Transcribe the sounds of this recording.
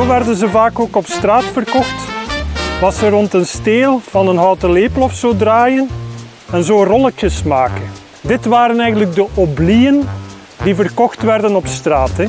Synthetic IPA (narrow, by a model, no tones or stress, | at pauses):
oʋɛrdənzəvaːkoːkɔpstraːtfərkɔxt | ʋɑsərɔntənsteːlˠv̥ɑnənɦɔwtəleːplɔfsoːdraːjən | ɛnzoːrɔləkjəsmaːkən | dɪtʋaːɾənɛjɣən̩ləɡ̚dəʔoblijən | divərkɔxtʋɛrdənɔpstraːtɛ